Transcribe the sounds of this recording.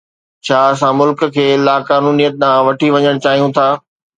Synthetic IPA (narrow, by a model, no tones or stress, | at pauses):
t͡ɕʰaːɐsãmʊlk̆kʰeːlaːkaːnuːnijət̪̚ɗ̪ãːʋɐʈʰiʋɐɲəɽ̃t͡ɕaːɦijũt̪ʰaː